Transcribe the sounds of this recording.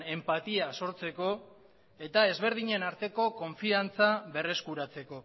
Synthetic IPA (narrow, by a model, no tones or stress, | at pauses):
e̞mpat̪iaso̞ɾt͡se̞ko̞ | e̞t̪ae̞zβe̞ɾð̞iɲe̞naɾt̪e̞ko̞ko̞ɱfiant͡saβe̞re̞skuɾat͡se̞ko̞